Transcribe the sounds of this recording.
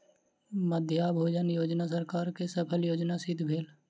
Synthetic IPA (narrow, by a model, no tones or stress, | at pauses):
məd̪ʱjaːbʱoːd͡ʒənjoːd͡ʒnas̬əɾkaːɾkesəpʰəljoːd͡ʒnasɪd̪ʱbʱeːl